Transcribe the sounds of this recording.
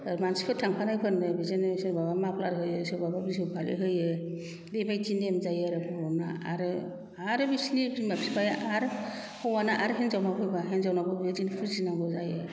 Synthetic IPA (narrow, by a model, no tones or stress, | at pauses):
aɾmansi̥pʰɯtʰaŋpʰanajpʰɯɾnːɯbizensɯɾbabamapʰlaɾɦɯjɯsɯɾbababisɯwpʰalɯ̰ɦɯjɯ | dijbajzindemzajɯaɾɯpʰɔnaaɾɯ | aɾɯbisnimabsibajaʔaɾ | hɔwanaʔaɾɯɦenzawnapʰɯjbaɦenzawnabɯbɯjɯzinpʰɯɾzinabɯzajɯ